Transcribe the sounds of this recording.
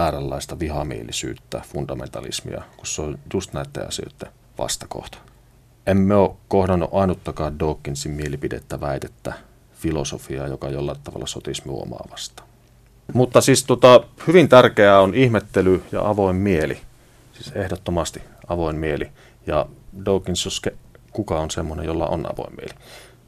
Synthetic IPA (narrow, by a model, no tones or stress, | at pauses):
æːrælːɑˑist̪ɑʋihɑmḭelˑisy̰ːt̪ːæfund̥ɑmḛnt̪ɑ̰lḭsmḭɑ̰kusseonjust̪næˑit̪ːḛɑ̰sø̰ˑit̪ːe | ʋɑ̰st̪ɑko̰ht̪ɑ̥ | emmeoːkohdɑnːṵʔɑinut̪ːɑkɑːddoːkːinsimmielipidḛt̪ːæʋæit̪et̪ːæ | filosofiɑjokɑjolːɑt̪ːɑʋɑ̰lːɑsot̪ismṵo̰mɑ̰ːʋɑst̪ɑ̥ːn | mut̪ːɑsiːst̪uŏt̪ɑhyʋint̪ærkeæonihmet̪ːelyjɑ̰ʔɑʋoˑimːielḭ | siːsehdot̪ːomɑst̪i | ɑʋoˑimmieli | jɑdoˑːkːˑinsoskekukɑonsemːonḛjjolːɑ̰ʔo̰nʔɑ̰ʋo̰ˑimːiḛli